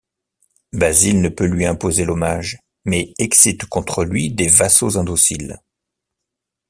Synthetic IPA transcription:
bazilnəpølɥiɛ̃pozelɔmaʒ | mɛɛksit̪kɔ̃t̪χəlɥid̪evasozɛ̃d̪osil

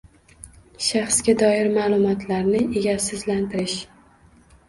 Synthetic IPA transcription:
ʃɑχsɡʲad̪ɒjɪɾmaːlˠʊmɒt̪ʰlaɾnɪʔeɡʲasɪzlant̪ʰɪɾɪʃ

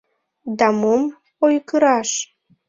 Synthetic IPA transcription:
d̪ɑmom | ojkəɾɑʃ

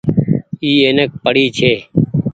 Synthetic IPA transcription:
iːeːnek̚pəɽiːt͡ʃʰeː

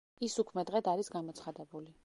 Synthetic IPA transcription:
isukʰmɛd̪ʁɛd̪aɾisɡamɔt̪sʰχad̪ɛbuli

